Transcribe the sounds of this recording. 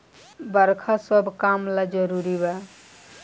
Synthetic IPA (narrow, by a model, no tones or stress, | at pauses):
bəɾkʰasəbʱkamlad͡ʒəɾuɾiba